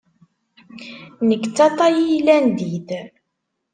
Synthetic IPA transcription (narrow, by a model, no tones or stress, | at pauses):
nəkːt͡sːɑt̪ˤɑjijlænd̪id